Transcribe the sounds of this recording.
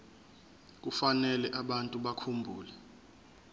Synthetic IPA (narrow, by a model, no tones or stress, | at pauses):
k̬ufanɛlɛʔaɓantʼuɓakʰumbʱuːlɛ